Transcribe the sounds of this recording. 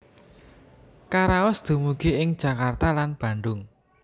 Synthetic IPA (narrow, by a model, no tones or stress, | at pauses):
kaɾawəsd̪̥ṳmuɡ̥e̤ɪŋd̥ʒ̥a̤kart̪alanb̥ä̤ɳɖʊŋ